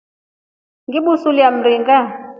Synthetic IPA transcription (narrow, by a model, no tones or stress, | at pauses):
ŋɡiɓusuliam̩riŋɡa